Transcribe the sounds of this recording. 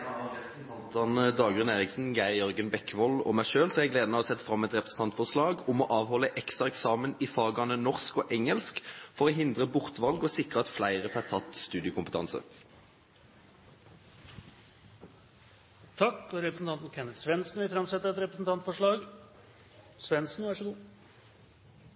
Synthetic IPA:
t̪ɑnd̪ɑːɡʉneːʁɪksn̩ɡæɪjœɾɡənbɛkːʋɔlɔ̰mæɪʃøːlsɔɛʁæɪɡleːd̪n̩əɑʋɔsɛt̪ːfʁɑmːɛt̪ʁɛpʁəsn̩t̪ʰɑnt̪fɔʁʂlɑːɡʊmɔʔɑːʋhɔlːəʔɛkst̪ʁɑɛksɑːmənɪfɑːɡɑnənɔʁskɔʔɛŋəlskfɔʁɔːɦɪnd̪ʁəbʊʁt̪ʋɑlɡɔsɪkʁəɑt̪flæɪʁəfæʁt̪ʰɑt̪st̪ʉːd̪ɪəkʊmpət̪ʰɑ̰nsə̰ | t̪ʰɑkːɔɾɛpɾəsn̩t̪ɑnt̪nkʰɛnət̪sʋɛnsn̩ʋɪfɾɑmsɛt̪ːəɾɛt̪ɾɛpɾəsn̩t̪ʰɑnt̪fɔʂɭɑːɡ | sʋɛnsn̩ːæʂɔɡuː

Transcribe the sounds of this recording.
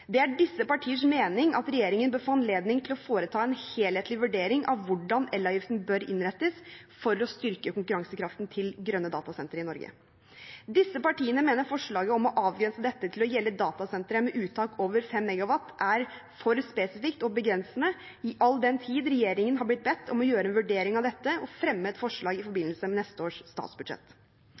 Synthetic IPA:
d̪ɛæɖɪsːəpɑʈʰiːəʂmeːnɪŋʔɑ̰t̪ɾɛjeːɾɪŋənbœːɾfoːɑnleːd̪nɪŋt̪ʰɪlɔfoːɾət̪ʰɑːɛnheːlheːt̪ʰlɪʋʉɖeːɾɪŋʔɑ̰ʋʋʊɖɑnɛlːɑjɪft̪n̩bœɾɪ̰nɾɛt̪ːəsfɔɾɔst̪ʏɾkəkʊŋkʉɾɑŋsəkʰɾɑft̪nt̪ʰɪlɡɾœnːəd̪ɑ̰ːt̪ɑsɛnt̪əɾɪnɔɾɡə̰ | d̪ɪsːəpɑʈiːənəmeːnəɾfɔʂɭɑːɡəɔmɔʔɑːʋɡɾɛnsəd̪ɛt̪ːət̪ʰɪlɔjɛlːəd̪ɑːt̪ɑsɛnt̪ɾəmɛʔʉːt̪ʰɑːkoːʋəɾfɛmːɛɡɑʋɑt̪ːʔæɾfɔɾspeːsɪfɪkt̪ɔbəɡɾɛnsnə | ɪʔɑlːd̪ɛnt̪ʰiːd̪ɾɛjeːɾɪŋənɦɑɾblɪt̪̚bɛt̪ːɔmɔjøːɾəɛnʋʉɖeːɾɪŋɑʋd̪ɛt̪ːəɔfɾɛmːəɛt̪fɔʂɭɑːɡɪfɔɾbɪnəlsəmɛnɛst̪əoːʂst̪ɑ̰ːt̪sbʉd̪ʂɛ̰t̪ː

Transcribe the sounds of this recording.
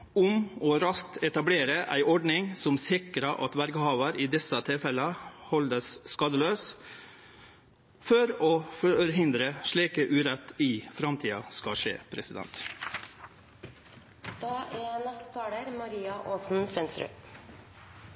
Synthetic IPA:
ʊmɔːɾɑskt̪ɛt̪ɑbleːɾəʔæ̰ɪʔɔɖnɪŋsɔmsɪkɾɑʔɑt̪ʋæɾɡhɑːʋəɾiːd̪ɛsət̪ʰɪlfɛləhɔld̪əsːkɑd̪əløːs | fɔɾoːfɔɾɦɪnd̪ɾəʂɭiːkəʔʉːɾɛt̪ːɪfɾɑmt̪ʰiːɑskɑʂḛːpʰɾɛsɪd̪ɛ̰nt̪ | d̪̥ɑːʔænɛst̪ə̥t̪ʰɑːɽəɾmɑɾiːɑʔoːsn̩sʋɛnst̪ɾʉ̰ː

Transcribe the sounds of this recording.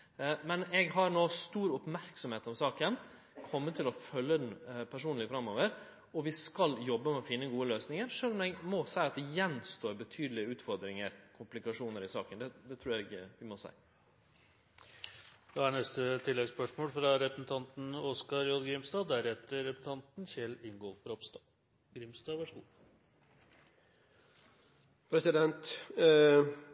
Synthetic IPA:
mɛnɛɡɦɑɾnoːst̪uːɾʊpmæɾksɔmheːt̪ɔmsɑːkən | kʰɔmːət̪ʰːɪlɔfœlːəd̪n̩pʰæʂuːnlɪfɾɑmːoːʋəɾ | ɔʋɪskɑljɔbːəmɛɔfɪnːəɡuːəløːsnɪŋəɾʂøːlɔmɛɡmoːsæɪɑt̪̚d̪ɛjɛnst̪oːɾbət̪ʰyːd̪lɪəʉːt̪fɔɾd̪ɾɪŋəɾkʰʊmplɪkɑʂuːnəɾɪsɑːkənd̪ɛd̪ɛt̪ʰɾuːɾɛɡʋɪmɔsæ̰ɪ | d̪ɑhæɳɛst̪ət̪ʰɪlːɛɡspœʂmoːlfɾɑɾɛpɾəsn̩t̪ʰɑnt̪n̩ɔskɑɾjɔd̪ɡɾɪmst̪ɑːd̪æɾɛt̪ːəɾɛpəs̩t̪ʰɑnt̪nçɛlɪŋɡolfɔɾɔpst̪ɑ | ɡɾɪmst̪ɑːʋæʂɡṵː | pʰɾɛsɪd̪ɛnt̪

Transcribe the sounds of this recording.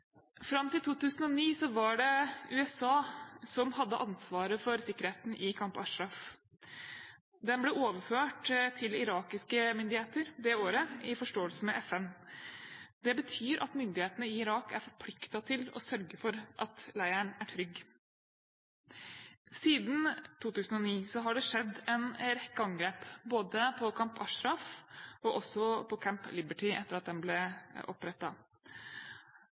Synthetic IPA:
fɾɑmːt̪ɪlt̪ʰuːt̪ʉːsn̩ɔniːsɔʋɑɖɛʉːɛsɑːsɔmhɑd̪ːəʔɑnsʋɑːɾəfɔɾsɪkːəɾeːt̪n̩ʔɪkʰɑmpɑʂɾɑf | d̪ɛnblɛʔoːʋəɾføːʈt̪ʰɪlɪɾɑːkɪskəmʏnd̪ɪheːt̪əɾd̪ɛoːɾəɪfɔʂʈoːəlsən̩mɛʔɛfɛn | d̪ɛbət̪ʰyːɾʔɑ̰t̪mʏnd̪ɪheːt̪ənəɪɪɾɑːkæɾfɔɾpʰlɪkt̪ɑt̪ʰɪlɔ̰sœɾɡəfɔɾʔɑt̪læɪəɳæʈʰɾʏɡ | siːd̪n̩t̪ʰuːt̪ʉːsn̩ɔniːsɔɦɑɖɛʂɛd̪ːɛnɾɛkːəɑŋɡɾeːpboːd̪əpʰɔkʰɑmpʰɑʂɾɑfɔʔɔsɔpʰɔkʰæmplɪbəʈɪʔɛ̰t̪ːəɾɑt̪̚d̪ɛnblɛʔɔpːɾɛt̪ːɑ

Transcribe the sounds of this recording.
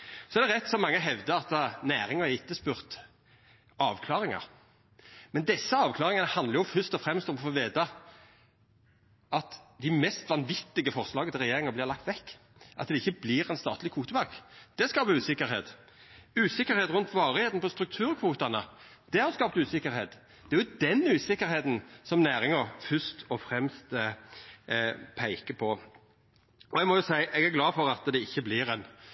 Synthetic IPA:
sɔɛɾd̪ɛʁɛt̪ːsɔmɑŋːəɦɛʋd̪əɑt̪d̪ɑnæːɾɪŋəɛɪt̪ːəspʉːʁt̪ | ɑːʋkʰlɑːʁɪŋɑ̰ɾ | mɛnd̪ɛsːəɑːʋkʰlɑːʁɪŋɑnəhɑnd̪ləɾjʊfœʁst̪ɔfɾɛmst̪ɔmɔfoːʋeːt̪ɑ | ʔɑt̪d̪ɪmɛst̪ʋɑnʋɪt̪ːɪɡəfɔʁslɑːɡət̪ɪʁɛjeːɾɪŋəblɪʁlɑk̚t̪ʋɛkː | ʔɑ̰t̪̚d̪ɛɪçːəblɪʁɛnst̪ɑ̰ːt̪lɪkʰuːt̪əbɑkd̪̥ɛskɑːpəʉːsɪkːəɾhḛːt̪ | ʉːsɪkːəɾheːt̪ɾʉnt̪ʰʋɑːɾəheːt̪n̩pɔst̪ɾʉk̚t̪ʰʉːɾkʰʋuːt̪ɑnəd̪̥ɛhɑɾskɑːp̚t̪ʉːsɪkːəɾheːt̪ | d̪̥ɛæɾjʊd̪ɛnʉːsɪkːəɾheːt̪n̩sɔmnæːɾɪŋəɾfʏst̪ɔfɾɛmst̪ | pʰæɪkəpʰɔ | ɔɛɡmɔjʊsæɪʔɛɡæɡlɑːfɔɾɑt̪d̪ɛɪçːəblɪɾɛn

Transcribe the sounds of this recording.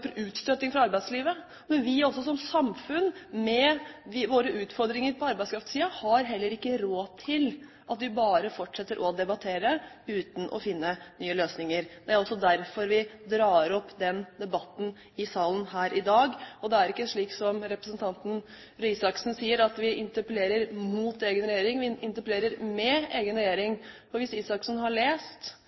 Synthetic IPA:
ɾʉːt̪st̪œt̪ːɪŋfɾɑɑɾbæɪsliːʋə | mɛnʋɪɔsːɔsɔmsɑmfʉnmɛʋɪʋoːɾəʔʉːt̪fɔɾd̪ɾɪŋəɾpʰɔɑɾbæɪskʰɾɑft̪siːɑhɑɾɦɛlːəɾɪkːəɾoːt̪ʰɪl | ʔɑt̪ʋɪbɑːɾəfɔʈʂɛt̪ːəɾʔɔd̪ɛbɑt̪ʰeːɾə | ʉːt̪n̩ʔɔ̰fɪnːənyːəløːsnɪŋəɾd̪ɛæɾɔsːɔd̪æɾfɔɾʋɪd̪ɾɑːəɾɔpːd̪ɛnd̪ɛbɑt̪n̩ | ɪsɑːlənhæːɾʔɪd̪ɑːɡɔd̪ɛæɾɪkːəʂɭiːksɔmɾɛpɾəsənt̪ʰɑnt̪n̩ | ɾysɑksn̩siːəɾɑt̪ʋɪʔɪnt̪əpəleːɾəɾmuːt̪eːɡənɾɛjeːɾɪŋʋɪɪnt̪əɾpəleːɾəɾmɛeːɡənɾɛjeːɾɪŋfɔɾʋɪsiːsɑksn̩hɑɭeːst̪

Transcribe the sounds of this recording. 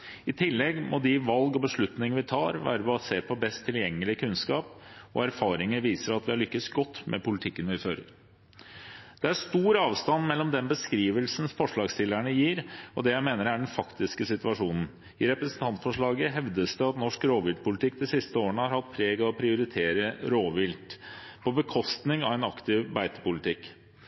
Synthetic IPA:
ɪt̪ʰɪlːɛɡmʔɔd̪ɪʋɑlɡɔbəʂɭʉt̪nɪŋəʋɪt̪ʰɑːɾʋæ̰ːɾəbɑseːpʰɔbɛst̪ʰːɪljɛŋːəlɪkʰʉnskɑːpɔ̰æɾfɑːɾɪŋəɾʋiːsəɾɑt̪ʋɪɑɭʏkːəsɡɔt̪ːmʔɛ̰pʊlɪt̪ʰɪkːənʋɪføːɾə̰ɾ | d̪̥ɛæʂt̪uːɾɑːʋst̪ɑnmɛlːɔmd̪ɛnbəskɾiːʋəlsn̩fɔʂɭɑːɡst̪ɪlːæɳəjiːɾɔd̪ɛjæɪmeːnəɾæɖɛnfɑkt̪ɪskəsɪt̪ʋɑʂuːnn̩ | ɪɾɛpɾəsn̩t̪ʰɑnt̪sfɔʂɭɑːɡəɦɛʋd̪əsd̪ɛɑt̪nɔʂkɾoːʋɪld̪̚pʰʊlɪt̪ʰɪk̚ːd̪ɛsɪst̪əoːəɳəhɑɾhɑt̪̚pʰɾeːɡɔpʰɾɪʊɾɪt̪ʰeːɾəɾoːʋɪlt̪pʰɔbəkʰɔst̪nɪŋɑʋɛnɑkt̪ɪʋbæɪt̪ə̥pʊlɪt̪ʰɪk

